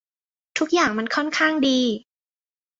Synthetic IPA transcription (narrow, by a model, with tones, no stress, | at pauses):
t̪ʰu˦˥k̚jaː˨˩ŋma˧nkʰɔ˥˩nkʰaː˥˩ŋdiː˧